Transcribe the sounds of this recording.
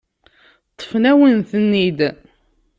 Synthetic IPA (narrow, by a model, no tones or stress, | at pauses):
t̪ˤːə̥fnæwənθənːid̪